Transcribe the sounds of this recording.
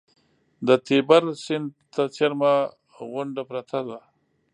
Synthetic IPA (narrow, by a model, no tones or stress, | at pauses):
d̪ət̪ebaɾsɪnd̪t̪at͡seɾma | ɣʊɳɖapɾat̪ʰad̪a